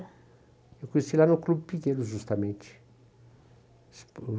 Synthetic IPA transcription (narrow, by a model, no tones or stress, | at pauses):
ewkõɲesilanʊklubɪpikẽlʊʒust̪ɐmẽnt͡ʃɪ̥ | sp